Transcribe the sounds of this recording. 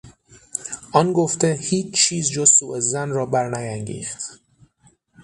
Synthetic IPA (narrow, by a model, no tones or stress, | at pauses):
ʔɒnɡoft̪ehiːt͡ʃt͡ʃʰːiːzd͡ʒoz̥suːʔezænrɒːbæɾnæjæŋɟḭːxt̪